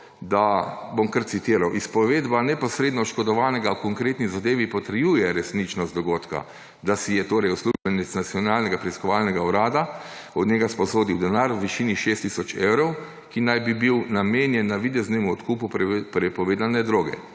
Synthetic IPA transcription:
d̪abomkəɾt̪sit̪iɾawʔispɔʋeːd̪banɛpɔsɾeːd̪nɔʃkɔd̪ɔʋaːnɛɡawkɔŋkɾeːt̪nizad̪eːʋipɔt̪əɾjuːjɛɾɛsnit͡ʃnɔst̪d̪ɔɡoːt̪ka̰ | d̪asijɛt̪oːɾɛjusluʒbɛnɛt̪snat̪sjɔnaːlnɛɡapɾɛiskɔʋalnɛɡauɾaːd̪aɔd̪ɲɛɡaspɔsoːd̪iwd̪ɛnaːɾwʋiʃiːniʃest̪ːisɔt͡ʃewɾɔw | kinajbibiwnameːnjɛnːaʋid̪ɛznɛmuɔt̪kuːpuppɾɛpɔʋeːd̪anɛd̪ɾoːɡɛ̰

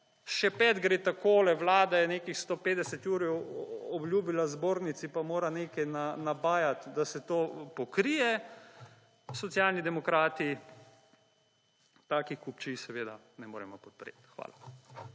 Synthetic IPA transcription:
ʃɛpɛːd̪ɡɾeːt̪akoːlɛʋlaːd̪ajɛneːkixst̪oːpeːd̪ɛsɛt̪juːɾɛɔblʲjuːbilazboːɾnit̪sipamoːɾaneːkɛjnanabaːjat̪d̪asɛt̪oːpɔkɾijɛ | sɔt̪sjaːlnid̪ɛmɔkɾaːt̪i | t̪aːkixkupt͡ʃisɛʋeːd̪a̰ | nɛmo̰ːɾɛmɔpɔt̪̚pɾḛt̪xʋa̰ːla

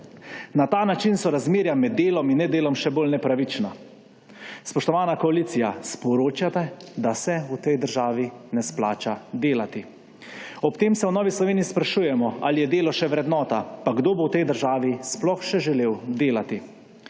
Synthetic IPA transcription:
nat̪aːnat͡ʃinsɔɾazmeːɾjamɛd̪ːeːlɔminːɛd̪eːlɔmʃɛboːlnɛpɾaʋit͡ʃna | spɔʃt̪ɔʋaːnakɔaliːt̪sijaspɔɾoːt͡ʃjat̪ɛd̪asɛut̪ɛjd̪əɾʒaːʋinɛsplaːt͡ʃad̪eːlat̪i | ɔpt̪eːmsɛwnɔːʋislɔʋeːniispɾaʃujɛmɔa̰lijɛd̪eːlɔʃɛʋɾɛd̪nɔːt̪apaɡd̪oːbowt̪ɛjd̪əɾʒaːʋisplɔxʃɛʒɛleːwd̪eːlat̪i

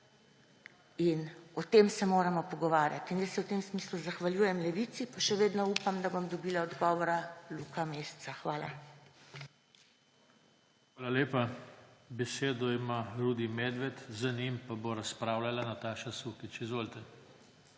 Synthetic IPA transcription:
inɔt̪eːmsɛmoːɾamɔpɔɡɔʋaːɾjat̪injəsːɛwt̪emsmiːsluzaxʋalʲjuːjɛmlɛʋiːt̪sipaʃɛʋeːd̪nɔuːpamd̪abomd̪ɔbiːlaɔd̪ɡɔːʋɔɾalukameːssaxʋaːla̰ | xʋaːlaleːpabɛseːd̪ɔimaɾud̪imeːd̪ʋɛt̪zɐnimpaboɾaspɾaːwlʲalanat̪aːʃasukit͡ʃizʋoːlt̪ɛ

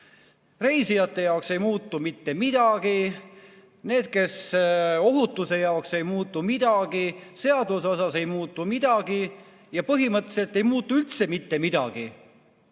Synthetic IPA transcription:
re̞jsijɑt̪ːˑe̞jɑokse̞jmuːt̪ːˑumit̪ːe̞mid̪̥ɑɡ̥i | ne̞ːd̪̥̚ke̞so̞ɦut̪ːˑuse̞jɑokse̞jmuːt̪ˑːumid̪̥ɑɡ̥ise̞ɑd̪uso̞sɑse̞jmuːt̪ːˑumid̪̥ɑɡ̥i | jɑpɤɦimɤt̪ːˑse̞lt̪ːˑe̞jmuːt̪ːˑuylt̪se̞mit̪ːe̞mid̪̥ɑ̰ɡ̥i

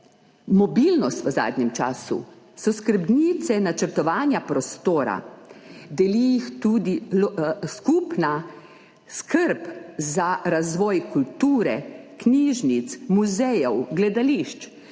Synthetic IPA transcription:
mɔbilnɔst̪ʋəza̰ːd̪nʲɛmt͡ʃa̰ːsṵ | sɔskəɾbnit̪sɛnat͡ʃəɾt̪ɔʋaːnjapɾɔst̪oːɾa̰ | d̪ɛlijixt̪ud̪i | skupna | skʰəɾpzaɾazʋɔːjkult̪uːɾɛkniːʒnit̪smuzɛjɔwɡlɛd̪aliʃt͡ʃ

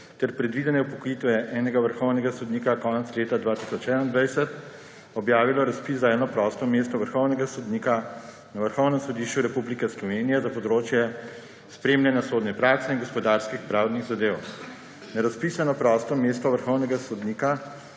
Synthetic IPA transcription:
t̪ɛɾpɾɛd̪ʋid̪ɛnjɛupɔkɔjit̪ʋɛʔɛːnɛɡaʋəɾxɔwnɛɡasɔd̪nikakɔːnɛt̪sleːt̪ad̪ʋaːt̪i̥sɔt͡ʃɛːd̪aind̪ʋajsɛt̪ | ɔbjaːʋilɔɾaspiːszaɛːnɔpɾɔst̪ɔmest̪ɔʋəɾxɔwnɛɡasɔd̪niːka | naʋəɾxɔwnɛmsɔd̪iːʃt͡ʃuɾɛpublikɛslɔʋenijɛzapɔd̪ɾoːt͡ʃjɛ | spɾeːmljanjasoːd̪nɛpɾaːksɛinɡɔspɔd̪aɾskixpɾaːwd̪niɣzad̪ew | naɾaspiːsanɔpɾɔst̪ɔmeːst̪ɔʋəɾxɔwnɛɡasɔd̪niːka

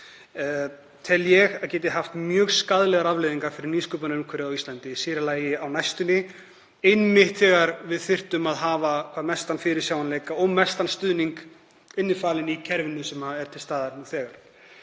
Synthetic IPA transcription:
t̪ʰɛljɛɣaðcɛːt̪ɪɦaft̪mjœːɣskaðlɛɣaɾavlejðiŋkafɪɾɪɾniːskœːpanʏmkʰvɛɾɪawist̪lant̪ɪsiːɾɪlaːjɪawnajst̪ʏnɪ | ɪjnːmɪht̪θɛːɣaɾvɪðθɪr̥t̪ʏmaðɦaːvakʰvaːðmɛst̪anfɪɾɪɾsjaːwanleːjkaɔɣmɛst̪anst̪ʏðniŋk | ɪnːɪfaːlɪnicʰɛɾvɪnːʏsɛmaɛɾ̥t̪ʰɪlst̪aːðaɾnuθɛːɣaɾ̥

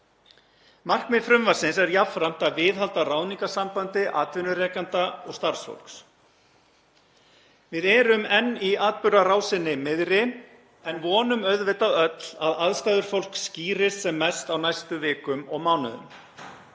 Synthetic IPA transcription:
mar̥kmɪfɾʏmvasɪnsɛɾjafɾam̥t̪aðvɪːðɦalt̪araːwniŋkasampant̪ɪʔa̰ːt̪vɪnʏrɛːkant̪aɔɣst̪aɾ̥sfo̰wl̥ks | vɪðɛːɾʏmɛnːiaːt̪̚pʏɾaraːwsɪnːɪmɪðɾɪ | ɛnvɔːnʏmœðvɪt̪aœt̪l̥aðaðst̪ajðʏɾ̥fowl̥ksciːɾɪst̪sɛmːɛst̪awnajst̪ʏvɪːkʏmɔɣmawnʏ̰ðʏ̰m

